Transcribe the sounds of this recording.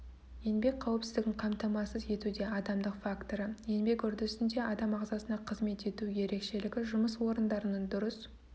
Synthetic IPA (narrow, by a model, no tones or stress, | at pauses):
je̞nbe̞k̚qʰɑwəpsɪzd̪ɪɡʲɪŋqʰɑmt̪ɑmɑsəze̞t̪ud̪e̞ɑd̪ɑmd̪əqfakt̪o̞ɾəje̞nbe̞kʏɾd̪ɪsɪnd̪e̞ɑd̪ɑmɑʁzɑsənɑqʰəzme̞t̪e̞t̪uje̞ɾe̞kʃe̞lɪɡʲɪʒʊməswo̞ɾənd̪ɑɾənɑnd̪ʊɾəs